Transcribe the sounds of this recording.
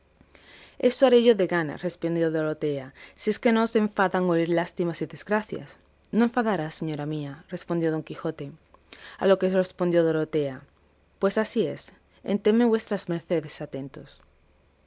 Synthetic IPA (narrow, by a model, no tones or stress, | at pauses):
e̞soaɾe̞ʝo̞ðe̞ɣana̰re̞spond̪jo̞ðoɾot̪e̞asie̞ske̞nose̞ɱfaðaŋoiɾlast̪imasiðe̞zɡɾaθja̰s | noe̞ɱfaðaɾase̞ɲo̞ɾamiare̞spond̪jo̞ð̞o̞ŋkixo̞t̪e̞a̰lo̞kere̞spo̞nd̪jo̞ðoɾot̪e̞a | pwe̞sasie̞s | ḛnt̪e̞mːe̞βwe̞st̪ɾazmeɾθe̞ðe̞sat̪e̞nt̪o̞̰s